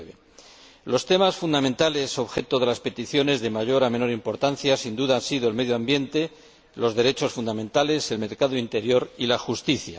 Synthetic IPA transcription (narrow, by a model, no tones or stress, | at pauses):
βe | lo̞st̪emasfund̪amẽ̞nt̪ale̞so̞βxe̞t̪oð̞e̞laspe̞t̪iθjo̞ne̞zðe̞maʝo̞ɾame̞no̞ɾimpo̞ɾt̪an̟θjasind̪uðaansiðoe̞lme̞ðjoambje̞nt̪e̞ | lo̞zðe̞ɾe̞t͡ʃo̞sfund̪amẽnt̪ale̞se̞lme̞ɾkaðoint̪e̞ɾjo̞ɾilaxust̪iθja̰